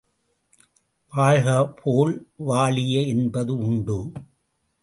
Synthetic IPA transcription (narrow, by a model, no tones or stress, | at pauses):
ʋaːɻɣɐpʰoːɭʋaːɭɪjɐɛnbɐðɯʊɳɖɯ